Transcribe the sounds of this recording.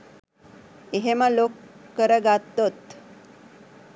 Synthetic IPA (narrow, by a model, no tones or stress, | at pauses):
eɦemalokːəɾəɡat̪ːot̪